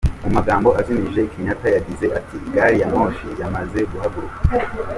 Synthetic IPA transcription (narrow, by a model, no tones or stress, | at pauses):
mumaɡaːmbo̞ʔaziniʒe̞ikʰiɲatajaɡize̞ʔatiɡaɾijamo̞ːʃijamaze̞ɡuɦaɡuɾuka